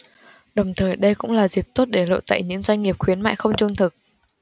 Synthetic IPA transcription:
ɗə˨˩wŋ͡mt̪ʰəː˨˩jɗə˧jkʊ̰˧˥ŋ͡mlaː˨˩zi˨˩p̚t̪o˦˥t̚ɗe˧˩lo̰˧˨jt̪a̰ː˧˨jɲɨ̰˧˥ŋzwa˧jŋ̟ŋi˨˩əp̚xwi˨˦ənma̰ː˧˨jxə˧wŋ͡mt͡ɕʊ˧ŋ͡mt̪ʰɨ˨˩k̚

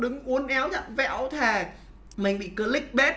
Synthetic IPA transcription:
ɗɨ˨˦ŋʔu˨˦ənʔɛ˨˦wt͡ɕə̰˧˨nvɛ̰˧˥˨wt̪ʰaː˨˩ | mï˨˩ŋ̟ɓḭ˧˨kəː˨˦lï˦˥k̟̚ɓɛ˦˥t̚

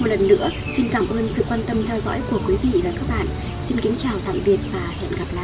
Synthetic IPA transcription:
o˨˩t̚lə˨˩nːɨ̰˧˥ə | si˧nkaː˧˩mʔəː˧nsɨ̰˧˨kwaː˧nt̪ə˧mt̪ʰɛ˧wzɔ̰˧˥jku˧˩əkwi˨˦vḭ˧˨vaː˨˩kaː˦˥k̚ɓa̰ː˧˨nsi˧nki˨˦ŋt͡ɕaː˨˩wt̪a̰ː˧˨mɓi˨˩ət̚vaː˨˩hɛ̰˧˨nɣa˨˩p̚la̰ː˧˨

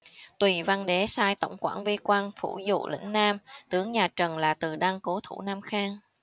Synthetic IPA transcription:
t̪wi˨˩va˧nɗe˨˦saː˧jt̪ə̰˧˩wŋ͡mkwa̰ː˧˩nvi˧kwaː˧nfṵ˧˩zṵ˧˨lʔḭ̈˧˥ŋ̟naː˧mt̪ɨ˨˦əŋɲaː˨˩t͡ɕə˨˩nlaː˨˩t̪ɨ˨˩ɗa˧ŋko˨˦t̪ʰṵ˧˩naː˧mxaː˧ŋ

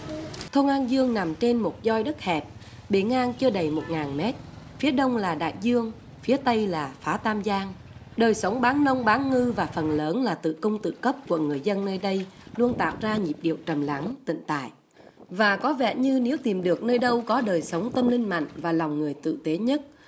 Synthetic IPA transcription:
t̪ʰə˧wŋ͡mʔaː˧nzɨ˧əŋna˨˩mt͡ɕe˧nmo˨˩t̚zɔ˧jɗə˦˥t̚hɛ˨˩p̚ | ɓe˧˩ŋʔaː˧nt͡ɕɨ˧əɗə˨˩jmo˨˩t̚ŋaː˨˩nmɛ˦˥t̚ | fi˨˦əɗə˧wŋ͡mlaː˨˩ɗa̰ː˧˨jzɨ˧əŋ | fi˨˦ət̪ə˧jlaː˨˩faː˨˦t̪aː˧mzaː˧ŋ | ɗəː˨˩jsə˨˦wŋ͡mɓaː˨˦nnə˧wŋ͡mɓaː˨˦nŋɨ˧vaː˨˩fə˨˩nləː˨˦nlaː˨˩t̪ɨ̰˧˨kʊ˧wŋ͡mt̪ɨ̰˧˨kə˦˥p̚ku˧˩əŋɨ˨˩əjzə˧nːəː˧jɗə˧jlu˧ənt̪a̰ː˧˨wzaː˧ɲi˨˩p̚ɗi˨˩əwt͡ɕə˨˩mla˨˦ŋt̪ḭ˧˨ŋ̟t̪a̰ː˧˨jʔ | vaː˨˩kɔ˨˦vɛ̰˧˨ɲɨ˧ne˨˦əwt̪i˨˩mɗɨ˨˩ək̚nəː˧jɗə˧wkɔ˨˦ɗəː˨˩jsə˨˦wŋ͡mt̪ə˧mlï˧ŋ̟ma̰˧˨jŋ̟vaː˨˩la˨˩wŋ͡mŋɨ˨˩əjt̪ɨ̰˧˨t̪e˨˦ɲə˦˥t̚

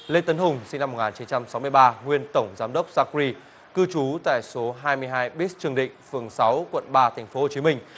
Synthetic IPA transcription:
le˧t̪ə˨˦nɦʊ˨˩ŋ͡msi˧ŋna˧mo˨˩ŋaː˨˩t͡ɕi˨˦nt͡ɕa˧msa˨˦wmɨ˧əjɓaː˧ŋwi˧ənt̪ə˧˩wŋ͡mzaː˨˦mɗə˦˥wk͡p̚zaː˧k̚ɾi˧ | kɨ˧t͡ɕu˨˦t̪a̰ː˧˨jso˨˦ɦaː˧jmɨ˧jɦaː˧jɓi˦˥s̚t͡ɕɨ˨˩əŋɗḭ̈˧˨ŋ̟fɨ˨˩əŋsa˨˦wkwə̰˧˨nɓaː˧t̪ʰa˨˩jŋ̟fo˨˦ho˨˩t͡ɕi˨˦mï˧ŋ̟

